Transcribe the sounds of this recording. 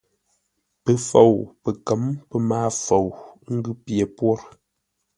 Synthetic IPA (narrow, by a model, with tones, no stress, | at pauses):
pə˨fo˨wpə˨kə˨˦mpə˦maː˦fo˨wŋ̩˦ɡʉ˦pje˨pwɔ˦ɾ